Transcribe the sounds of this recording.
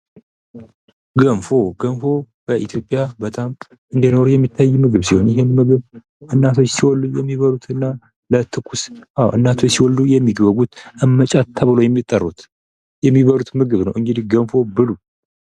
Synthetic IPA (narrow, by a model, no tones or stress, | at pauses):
ɡənfo̞ɡənfo̞ | b̥əʔit̪ʰjo̞pʼːjabət̪ʼam | ɨnd̪ino̞ɾujɛmːit̪ʰːajːmɨɡɨβsiho̞njɪɦenmɨɡɨβ | ʔɨnːat̪ʰojsiwɔlːujɛmːiβəɾut̪ʰɨnːa | lət̪ʰɨkʰːusʔawʔɨ̰nːat̪ʰosiwɔld̪ujɛmːiɡβəɡut̪ʔɨmːət͡ʃʼat̪ʰːəβɨlo̞jɛmːit̪ʼːərːut̪ | jɛmːiβəɾut̪mɨɡɨβnə̰wʔɨŋɡɨd̪ihɡənfo̞bɨlu